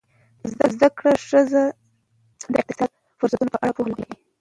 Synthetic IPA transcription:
zd̪azd̪akɽaʂəza | d̪əɪq̚t̪ɪsɑd̪̚ | fʊɾsat̪unopəʔaɽapohlɡawi

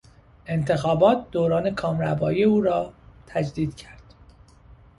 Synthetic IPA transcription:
ʔe̞nt̪ʰe̞xɒːbɒːt̪̚d̪oːɾɒːne̞kʰɒːmɾæbɒːieuːɾɒːt̪ʰæd͡ʒd̪iːd̪̥cʰæɾd̪̥

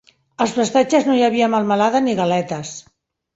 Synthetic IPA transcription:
əlˠsfəst̪at͡ʃəznojaβiəmalˠmalaðaniɣalɛt̪əs

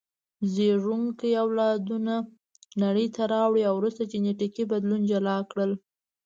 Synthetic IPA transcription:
zeʐuŋkjawlɑd̪una | naɽəjt̪aɾɑwɽiawɾust̪at͡ʃeneʈikibad̪lund͡ʒalɑkɽəl

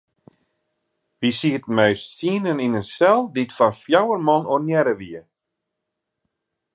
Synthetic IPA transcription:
ʋisitmɛɥstsiənəninənsɛlˠditfɔnfjawərmɔnonjɛɾəʋiə

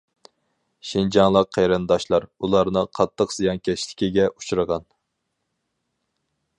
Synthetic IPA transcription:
ʃind͡ʒɑŋlˠəqʰːejɾɨnd̪ɑʃlˠɑɾulˠɑɾnɨqʰɑt̪ʰːəqz̥ijɑnkʲʰɛt͡ʃlɪ̥kʲiɡʲɛʔut͡ʃʰuɾəʁɑn

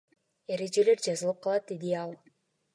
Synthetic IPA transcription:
e̞ɾe̞d͡ʒe̞le̞ɾd͡ʒɑzɯlˠɯp̚qʰɑlˠɑt̪̚d̪ed̪iɑlˠ

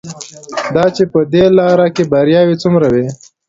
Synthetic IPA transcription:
d̪ɑt͡ʃepəd̪elɑːɾakebaɾjɑːwit͡sumɾawe

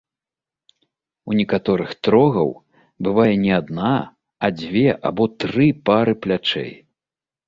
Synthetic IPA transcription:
unʲikat̪ɔɾɨxt̪ɾɔɣɐ̰w | bɨvajɛnʲɛad̪na | ɐd͡zʲvʲɛʔa̰bɔt̪ɾɨpaɾɨplʲat͡ʂɛ̰j

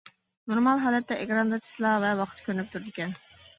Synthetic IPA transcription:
noɾmɑlˠɦɑːlˠɛt̪ːɛʔeɡʲɾɑnd̪ɑt͡ʃʰi̥slˠɑvɛwɑqʰɨ̥t̪ʰkʲøɾnyp̚t̪ʰuɾɪd̪ɪkʲɛn

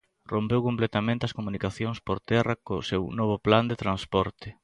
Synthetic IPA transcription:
rompewkõmplet̪amẽnt̪eɐskomũnikaθjoŋspoɾt̪ɛrakosewnɔβ̞ʊpland̪et̪ɾanspɔɾt̪ɪ

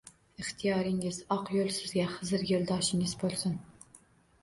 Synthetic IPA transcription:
ɨχt̪ʰijɑːɾɪŋɪzɑqjolˠsɪzɡʲæχɨzɨɾjʲeld̪ɑʃɪŋɪzbolˠsɪn

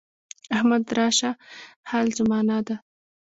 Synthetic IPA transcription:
ahmad̪ɾɑʃahalzʊmɑnɑd̪a

